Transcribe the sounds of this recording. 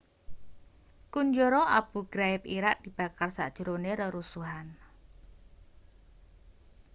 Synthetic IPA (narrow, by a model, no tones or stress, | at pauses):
kuɲd͡ʒoɾɔʔab̥ṳɡ̥ɾaɪp̚iɾaʔd̪̥i̤b̥akarsa̰d̥ʒ̥ɾoneɾəɾusuɦan